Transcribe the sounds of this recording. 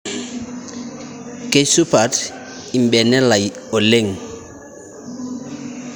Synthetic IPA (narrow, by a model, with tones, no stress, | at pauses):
ke˦su˦pʰa˨t | i˨m̩˨bɛ˨nɛ˦la˨i˨o˨le˦˨ŋ˨